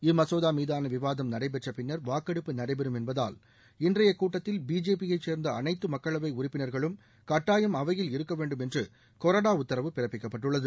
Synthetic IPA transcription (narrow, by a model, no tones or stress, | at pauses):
ɪmɐsoːðaːmiːðaːnɐʋɪʋaːðɐmnɐɽɐɪbɛʈrɐpɪnːɐɾʋaːkːɐɽɯpːɯnɐɽɐɪbɛɾɯmɛnbɐða̰ːl | ɪndrɐjɐkuːʈːɐt̪ːɪlbiːd͡ʒeːpɪjɐɪt͡ʃeːɾnd̪ɐɐnɐɪt̪ːɯmɐkːɐɭɐʋɐɪʊrɪpːɪnɐɾɣɐɭɯm | kɐʈːaːjɐmɐʋɐjɪlɪɾɯkːɐʋeːɳɖɯmɛndrɯ | koːɾɐɽaːʊt̪ːɐɾɐʋɯpɪrɐpːɪkːɐpːɐʈːɯɭːɐðɯ